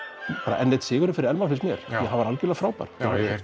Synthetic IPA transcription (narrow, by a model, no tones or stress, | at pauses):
paːɾa̰ʔɛnːɛt̪sɪːɣʏɾʏfɪɾɪɾɛlmanfɪnsmjɛɾ̥jɛɦavaɾalcɪlafɾaːwpa̰ɾ̥